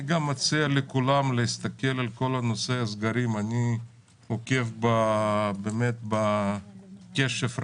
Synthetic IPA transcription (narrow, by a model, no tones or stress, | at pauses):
iɡamːat͡sialekulamleist̪ake̞lalko̞lano̞sejazɡaɾimanʲi | hoke̞fbabemet̪̚ba | keʃefɾ